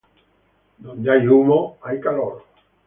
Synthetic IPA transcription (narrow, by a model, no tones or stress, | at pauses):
d̪õndajumoajkaloɾ